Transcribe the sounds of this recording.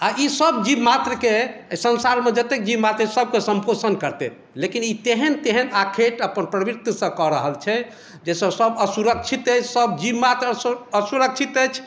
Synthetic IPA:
aisəbd͡ʒibmat̪ɾəkesənsaɾmed͡ʒət̪ek̚d͡ʒibmat̪ɾəsəb̚kesə̃mpʰosənkəɾt̪ɛ̰ | lekinit̪eɦənt̪eɦənakʰeʈəpənpɾəbiɾt̪jəsə̃kɔɾəɦəlt͡ʃʰɛ | d͡ʒɛsə̃səbəsuɾəkt͡ʃʰit̪ət͡ʃʰsəbd͡ʒibmat̪ɾəəsuɾəkt͡ʃʰit̪əjt͡ʃʰ

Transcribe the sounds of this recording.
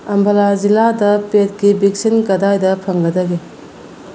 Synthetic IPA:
ɐmbɐlaziladɐpet̚ɡibik̚sinkɐdajdɐpʰɐŋɡɐdɐɡe

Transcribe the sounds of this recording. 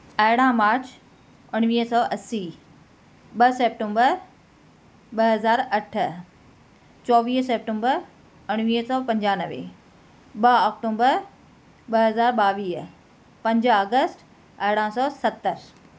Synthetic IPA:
ɐɦɪɽ̃ãmaːɾt͡ɕ | ʊɽ̃ʋiːɦsɔːʔɐsi | ɓɐseːp̚ʈõmbəɾ | ɓɐɦɐzaːɾɐʈʰ | t͡ɕɔːʋiːseːp̚ʈə̃mbəɾ | ʊɽ̃ʋiːɦsɔːpɐ̃ɲd͡ʑaːnəʋḛ | ɓɐɔːk̚ʈõːmbəɾ | ɓɐɦɐzaːɾɓaːʋiːɦ | pɐ̃ɲd͡ʑaːɡəsʈ | ɐɦɪɽãːsɔːsɐt̪ːəɾ

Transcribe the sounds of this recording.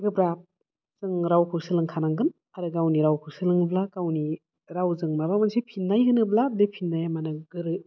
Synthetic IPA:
ɡɯbɾap̚ | zɯŋɾawkʰɯwsɯlɯŋkʰanaŋɡɯn | aɾɯɡawniɾawkʰɯwsɯlɯŋɯblakawni | ɾawzɯŋmabamansipʰinːajɦɯnɯbladepʰinːajamanɯɡɯɾɯ

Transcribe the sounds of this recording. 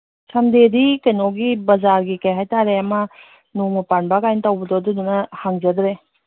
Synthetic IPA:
sʰɐmdedikɐjnoɡibɐzaɾɡikɐjɦajtaɾeɐmɐ | nomɐpanbakajnɐtɐwbɐdɔdudunɐhaŋd͡ʒɐdɾe

